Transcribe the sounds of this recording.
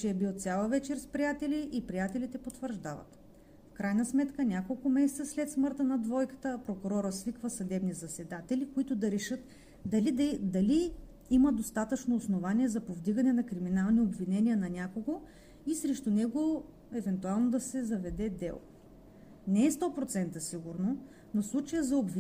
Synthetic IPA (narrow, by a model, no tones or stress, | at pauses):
t͡ʃɛɛbilˠt̪sʲjalˠəvɛt͡ʃɛɾspɾijat̪ɛliʔipɾijat̪ɛlit̪ɛpot̪vəɾʒd̪avɐ̰t̪ | fkɾajnɐsmɛt̪kənʲakolˠkʊmɛsɛt̪səslɛt̪smɤɾt̪ənɐd̪vɔjkə̥t̪əpɾokʊɾɔɾəsvikvəsɐd̪ɛbnizɐsɛd̪at̪ɛlikoit̪ʊd̪ɐɾɛʃɤt̪ | d̪ɐlid̪d̪ɐli | iməd̪ost̪at̪ət͡ʃnoːsnovaniɛzɐpovd̪iɡɐnɛnɐkɾiminalˠniobvinɛniənɐnʲakoɡo | isɾɛʃt̪onɛɡo | ɛvɛnt̪ualˠnod̪ɐsɛzɐvɛd̪ɛd̪ɛ̰lˠ | nɛɛst̪ɔpɾot̪sɛnt̪əsiɡuɾno | noslˠut͡ʃəjəzɐobvi